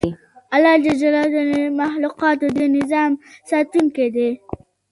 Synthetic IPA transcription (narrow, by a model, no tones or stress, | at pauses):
alːɑd͡ʒad͡ʒalɑd̪nmaxluqɑt̪od̪ənɪzɑmsɑt̪uŋked̪e